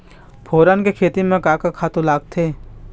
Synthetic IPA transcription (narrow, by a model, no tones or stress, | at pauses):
pʰoːɾankekʰeːt̪imẽkaːkakʰaːt̪õlaːɡ̚t̪ʰeː